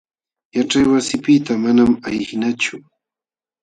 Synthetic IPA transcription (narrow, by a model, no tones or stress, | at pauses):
jaʈ͡ʂajwasɪpɪt̪amanamajhɪnat͡ʃʊ